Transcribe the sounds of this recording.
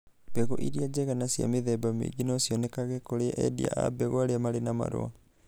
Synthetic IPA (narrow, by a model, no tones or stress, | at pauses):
b̥ɛɣoʔiɾiad͡ʒɛɣanasia̰meðɛbamḛɡinosiɔnekaɣɛkoɾeaʔɛdḭa̰ʔa̰bɛɣoaɾeamaɾenama̰ɾo̰a̰